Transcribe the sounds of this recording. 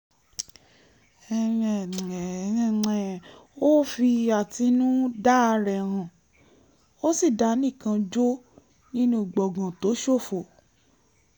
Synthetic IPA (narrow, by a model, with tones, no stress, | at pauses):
ɛ˧ɛ̃˨˦˧ɛ˨o˦fi˧a˨ti˧nũ˦da˦a˧ɾɛ˨ɾ̃ã˨ | o˦si˦˨da˨˦nĩ˦˨kã˧d͡ʒo˦ | nĩ˦nũ˦˨ɡ͡bɔ˨ɡã˨to˨˦ʃo˦˨fo˨